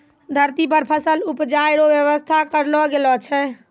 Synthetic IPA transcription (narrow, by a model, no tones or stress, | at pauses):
d̪ʱəɾt̪ipəɾpʰəsəlupd͡ʒajɾoʋjəʋəst̪ʰakəɾlɔɡelɔt͡ʃʰɛ